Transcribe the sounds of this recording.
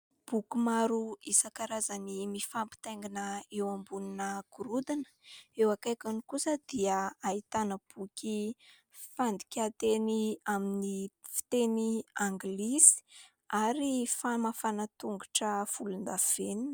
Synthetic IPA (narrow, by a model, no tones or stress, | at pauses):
b̥ukumaɾuisakaɾazanimifampi̥t̪eŋɡinəewambuninəɡ̥uɾud̪inə̥ewakajkanikusəd̪̥iaait̪anəb̥ukʲi | fand̪ikʲat̪eniaminifi̥t̪eniaŋɡlisi̥ | aɾifamafanat̪uŋɡuʈ͡ʂəfulund̪av̥enin